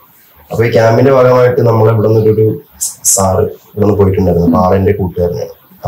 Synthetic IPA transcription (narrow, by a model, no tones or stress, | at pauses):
ɐpːoːikʲjaːmbinde̞bʱaːɡɐmaːjiʈːɨnɐmːɐɭeʋiɽɐnːoɾuoɾusaːrɨʋiɽɐnːɨpoːjiʈːuɳɖaːiɾunːupaːɭɐnde̞kuːʈːɨɐrɐnːɐ̰